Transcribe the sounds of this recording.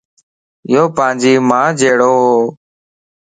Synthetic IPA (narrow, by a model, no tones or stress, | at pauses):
ɪjoːpãːd͡ʒiːmãːd͡ʒeːɽoːɦoː